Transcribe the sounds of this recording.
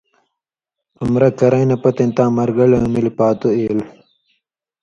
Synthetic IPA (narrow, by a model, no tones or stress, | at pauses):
ɐmɾɐkɐɾɐjnɐpɐt̪ɐnt̪ãːmɐɾɡɐɭemilipaːt̪oeːl